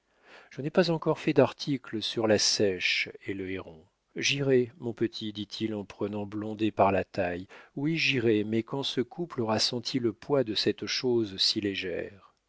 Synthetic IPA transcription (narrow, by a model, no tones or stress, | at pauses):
ʒ̥ənɛpazɑ̃kɔʁfɛd̪aʁt̪ʰikləsyʁlasɛʃeləeʁɔ̃ | ʒiʁɛmɔ̃pət̪ʰid̪it̪ʰilɑ̃pχənɑ̃blɔ̃d̪epaʁlat̪ajwiʒiʁɛmɛkɑ̃səkuplɔʁasɑ̃t̪ʰiləpwad̪əsɛt̪ʃozsileʒɛ̰ʁ